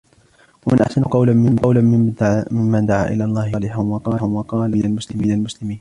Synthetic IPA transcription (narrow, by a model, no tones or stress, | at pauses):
wamɪnʔa̰ħsanʊqɑwlanmɪmqɑwlanɪmɪmːad̪aʕa̰ːʔɪ̰laːlˤːɑːhlɪħanwɑqɑːhʊnwɑqɑːlmɪnalmʊslɪmiːnalmʊslɪmiːn